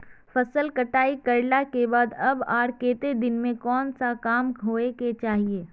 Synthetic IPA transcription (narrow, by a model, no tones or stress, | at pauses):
fɐsəlkəʈaːikɐɾlakebaːd̪ɐbaːɾkeːt̪ed̪ɪnmẽkɔːnsakaːmɦoːeket͡ʃaːɦieː